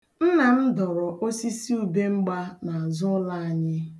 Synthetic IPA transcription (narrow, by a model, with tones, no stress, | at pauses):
n̩˦na˨m̩˦dɔ˨ɾɔ˨ʔo˦si˦si˦u˨be˦ŋ͡m̩˦ɡ͡ba˦na˨a˨zʊ˦la˦a˨ɲɪ˦